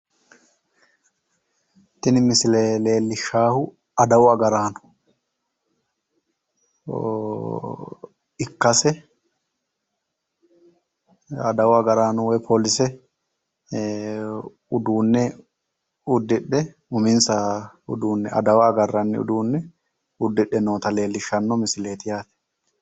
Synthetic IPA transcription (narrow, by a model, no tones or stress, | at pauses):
t̪ɪnɪmɪsɪleːleːlːɪʃaːhʊ | ɐd̪ɐwʊɐɡɐɾaːnʊ̥ | ɪkːɐsɛ | ɐd̪ɐwʊɐɡɐɾaːnʊwɛpʰoːlɪsɛ | ʊd̪uːnːɛ | ʊd̪ːɪɗːɛ | ʊmɪnsɐ | ʊ̰d̪uːnːɛʔɐ̰d̪ɐwɐːɡɐrːɐnːɪ̰ʊ̰d̪uːnːɛ | ʊd̪ːɪɗːɛnoːt̪ɐle̞ːlːɪʃːɐnːɔmɪsɪle̞ːt̪ɪjaːt̪ɛ̥